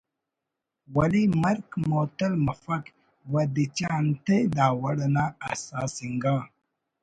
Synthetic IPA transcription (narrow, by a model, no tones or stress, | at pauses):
wɐlimɐɾkmoːt̪ɐlmɐfɐk | wɐd̪it͡ɕaːnt̪ed̪aːwɐɽɐnaɐ̰saːsiŋɡa